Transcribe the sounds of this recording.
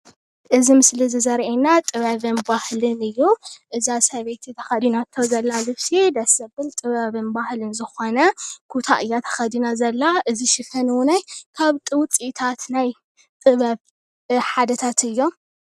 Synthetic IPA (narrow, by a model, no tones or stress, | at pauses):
ʔɨzimɨslizɨzɐɾʔenat̪ʼɨβɐβɨnbahlɨnɨjːuʔɨzasɐβet̪ʰit̪ʰɐxɐd̪inat̪ʰːowzɐlːalɨβsid̪ɐsɐbɨlt̪ʼɨβɐβɨnbahlɨnzɨxo̞nɐkʰut̪ʰaʔɨjːat̪ʰɐ̥xɐd̪inazɐlːaʔɨziʃɨfɐnwnajkʰaβt̪ʼɨwt͡sʼit̪ʰat̪naj | t̪ʼɨβɐβ | ħad̪ɐt̪ʰat̪ɨjːo̞m